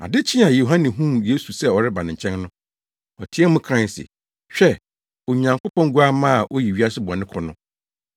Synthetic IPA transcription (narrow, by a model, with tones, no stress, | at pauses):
a̰˨dɪ˦t͡ɕʰɪ̃˦a˨jo˨ɦã˦nɪ̃˨ɦũ˦mje˦su˨sɛ˦ɔ˨ɾɪ˦ba˨nɪ̃˨ɲ̩˨t͡ɕʰɛ̃˦nnʊ̃˦ | ɔ˨tʰi˦ɛ˦mʊ̃˦kʰɾã˦˨sɪ̰˨ | ɕᶣɛ˦ | o˨ɲã˨ŋkʰʊ˦pɔ̃˦ŋ˦ɡu˦a˦mãː˦˨ʔo˦ji˨ɥi˦a˦sɪ˦bɔ˨nɪ̃˦kʰɔ˨nʊ̃˦